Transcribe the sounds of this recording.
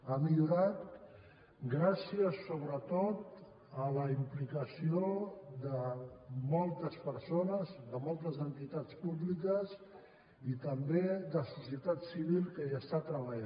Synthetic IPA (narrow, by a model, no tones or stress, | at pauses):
amiʎuɾat̪̚ | ɡɾasiəsoβ̞ɾət̪ot̪ | ələimplikəsiod̪əmɔlˠt̪əspəɾsonəzd̪əmɔlˠt̪əzənt̪it̪at͡spuβlikəz | it̪əmbed̪əsusiət̪at̪siβilˠkəiəst̪at̪ɾəβ̞əʎa